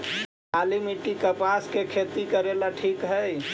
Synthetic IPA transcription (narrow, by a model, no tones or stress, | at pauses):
alimiʈikəpaskekʰet̪ikəɾelaʈʰikɦəj